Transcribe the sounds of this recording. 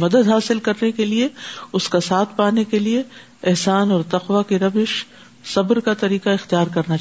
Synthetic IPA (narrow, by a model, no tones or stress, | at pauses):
mɐd̪əd̪ɦaːsɪlkɐɾnekelieʊskasaːt̪ʰpaːnekelie | ɪɦsaːnɔːɾt̪ɐqʋakiɾɐbɪʃ | sɐbɾkat̪ɐɾiːqaɪxt̪ijaːɾkɐɾna